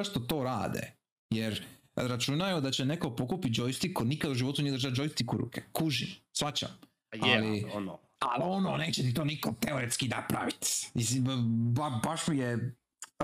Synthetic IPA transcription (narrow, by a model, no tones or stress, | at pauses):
aʃt̪ot̪o̞ːɾaːd̪ḛ | jeɾ | ɾat͡ʃunajeod̪at͡ɕe̞ne̞ko̞po̞kupit̪̚d͡ʑojst̪ikonikad̪uʒiʋo̞t̪unijd̪ɾʒad͡ʒo̞jst̪ikuɾṵːkekuʒimsʋat͡ɕa̰m | ali | a̰lononeːt͡ʃet̪it̪o̞ːnikot̪eoɾet̪skinapɾa̰ʋit̪isibabaʃmije